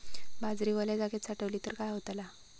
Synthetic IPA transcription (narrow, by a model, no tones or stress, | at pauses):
bad͡zɾiʋəljad͡zaket̪saʈəʋliːt̪əɾkajɦot̪ala